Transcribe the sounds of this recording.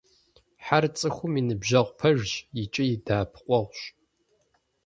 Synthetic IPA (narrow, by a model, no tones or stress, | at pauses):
ħart͡sʼɨxʷʊminɨbʒɐʁʷpʰɐʒʒit͡ʃʼɪjidaːpʰqʷʼɔʁʷɕ